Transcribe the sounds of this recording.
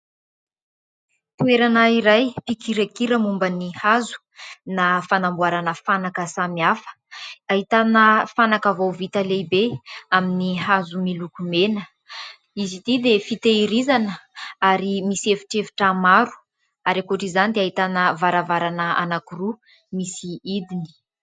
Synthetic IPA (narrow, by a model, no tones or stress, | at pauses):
t̪ueɾanəiɾajpikiɾakiɾəmumbənihazu̥ | nafanambuaɾanəfanakəsamiafə̥ | aɦit̪anəfanakavowvit̪əlebeaminihazumilukumenə | izit̪id̪efit̪eiɾizanəaɾimisiefi̥ʈ͡ʂefi̥ʈ͡ʂamaɾu̥ | aɾakuʈ͡ʂizanid̪eaɦit̪anəvaɾavaɾanəa̰nakuru | misiid̪ini̥